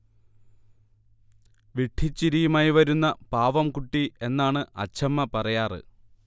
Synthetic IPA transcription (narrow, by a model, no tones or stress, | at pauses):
ʋiʈʰit͡ɕːiɾijumaːjiʋɐɾunːɐpaːʋɐmkuʈːie̞nːaːɳɨɐ̰t͡ɕʰɐmːɐpɐrɐjaːrɨ̰